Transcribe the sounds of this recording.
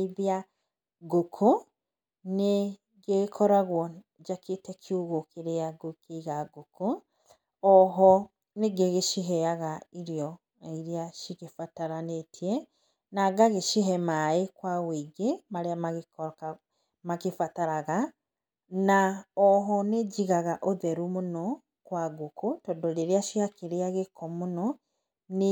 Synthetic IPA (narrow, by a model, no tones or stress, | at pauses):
βia | ɡokʰo | ne | ɡekʰɔɾaɣwɔ | d͡ʒaketɛkʰiuɣokeɾeaɡokʰeɣaɡokʰo | ɔɦɔ | neɡeɣeʃiɦɛaɣaiɾiɔ | iɾiaʃiɣefataɾanetʰiɛ | naɡaɣeʃiɦɛmaekwaweɡemaɾeamaɣekɔka | makefataɾaɣa | naɔɦɔneɟiɣaɣaʔoðɛɾumonɔ | kwaɡokotɔndɔleɾeaʃiakeɾeaɣekɔmonɔ | ne